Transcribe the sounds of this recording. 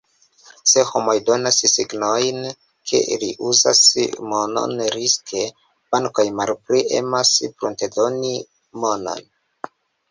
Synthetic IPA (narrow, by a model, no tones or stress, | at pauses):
se̞ho̞mojdo̞nassiɡnojn | kʰe̞̰ʔiliʔuza̰smono̰nɾiskʰe̞ | b̥aŋko̞jmalpliʔḛmaspɾuntedo̞ni | mo̞no̞̰n